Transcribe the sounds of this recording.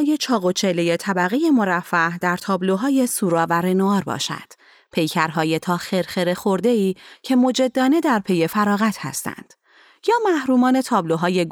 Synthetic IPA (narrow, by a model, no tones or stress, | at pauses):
jet͡ʃʰɒːɣo̞t͡ʃʰe̞le̞jet̪ʰæbæɣeje̞mo̞ɾæfːæhd̪æɾt̪ʰɒːbloɦɒːje̞suːɾɒːvæɾenoɒːɾbɒ̰ːʃæ̰nd̪̥ | pʰe̞jcʰæɾɦɒːje̞t̪ʰɒːxe̞ɾxeɾe̞xo̞ɾd̪e̞iːcʰe̞mo̞d͡ʒe̞d̪ːɒːne̞d̪æɾpʰe̞je̞fæɾɒːɣæt̪ʰhæ̰st̪æ̰nd̪̥ | jɒːmæhɾuːmɒːne̞t̪ʰɒːbloɦɒːje̞ɡ